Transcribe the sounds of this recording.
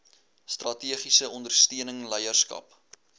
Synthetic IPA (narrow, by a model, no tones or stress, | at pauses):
strɐtiəχisəʔɔndərstiənəŋləjərskɐ̰p